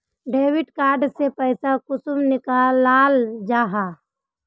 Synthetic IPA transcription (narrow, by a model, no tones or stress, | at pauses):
ɖeːwɪʈkaːɾɖsepəɪsakʊsʊmnɪkaːlːaːld͡ʒaːɦaː